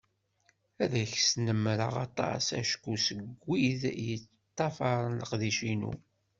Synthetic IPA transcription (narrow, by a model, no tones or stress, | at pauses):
æðæçsnəmːɾə̰ʁɑ̰t̪ˤɑ̰sæ̰ʃkusəɡɡʷːiðjət͡sː | t̪ˤːɑfɑɾˤnləqðiʃinṵ